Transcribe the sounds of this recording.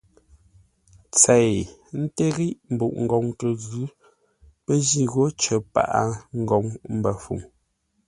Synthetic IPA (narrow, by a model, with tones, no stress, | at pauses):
t͡sɛ˨jn̩˦te˦ɣi˦ʔm̩˨bṵ˨ʔŋ̩˨ɡɔ˨ŋtə˨ɣʉ˦ | pə˦zi˦ɣo˨˦t͡ʃə˨pa̰˨ʔa˨ŋ̩˦ɡɔ˨ŋm̩˦bə˨fṵ˨ŋ